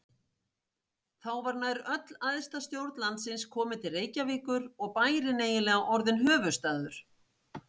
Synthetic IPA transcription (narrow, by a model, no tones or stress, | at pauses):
θawvaɾnaːjɾœt̪laðɪst̪ast̪jowɾt̪lant̪sɪnskʰɔːmɪt̪ʰɪlreːjcaviːkʏɾɔɣpaːjɾɪneːjɪlɛːɣaʔɔɾðɪnɦœːvʏst̪aːðʏɾ̥